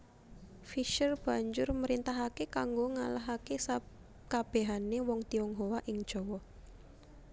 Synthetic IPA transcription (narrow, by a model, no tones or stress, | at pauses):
fiʃərb̥ä̤ɲd͡ʒʊrməɾint̪aɦakekaŋɡoŋalaɦakesa | kab̥e̤ɦanewɔŋt̪iɔŋɦowaʔɪŋd̥ʒ̥ɔ̤wɔ